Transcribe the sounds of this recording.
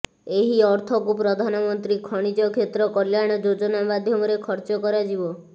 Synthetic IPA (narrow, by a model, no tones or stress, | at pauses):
eɦiɔɾt̪ʰɔkupɾɔd̪ʱanɔmɔnt̪ɾikʰɔɽ̃id͡ʒɔkʰet̪ɾɔkɔljaɽ̃ɔd͡ʒod͡ʒɔnamad̪ʱjɔmɔɾekʰɔɾt͡ʃɔkɔɾad͡ʒibɔ